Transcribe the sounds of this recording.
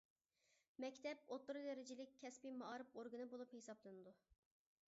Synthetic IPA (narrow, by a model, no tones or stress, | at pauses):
mɛkʲt̪ʰɛp̚ot̪lˠuɾɨd̪ɛɾɪd͡ʒɪlɪkʲʰːɛspimɑɑːɾɨpoɾɡɨnɨbolˠuphesɑblˠɨnɨd̪u